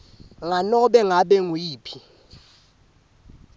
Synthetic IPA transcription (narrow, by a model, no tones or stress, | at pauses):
ŋanɔɓɛŋaɓɛŋwiːpʰi